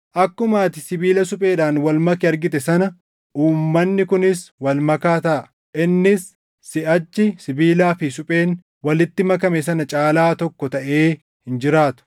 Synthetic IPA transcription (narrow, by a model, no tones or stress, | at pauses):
ʔɐkːʊmaːt̪ɪsɪbiːlɐsʊpʼe̞ːᶑaːnwɐlmɐkɪɐɾɡɪt̪ɛsɐnɐ | ʔuːmːɐnːɪkʊnɪswɐlmɐkaːt̪ɐʔ | ɪnːɪsː | ɪɐt͡ʃːɪsɪbiːlaːfɪsʊpʼe̞ːn | wɐlɪt̪ːɪmɐkɐmɛsɐnɐt͡ʃʼaːlaːt̪ɔkːɔt̪ɐʔe̞ː | hɪnd͡ʒɪɾaːt̪ʊ̥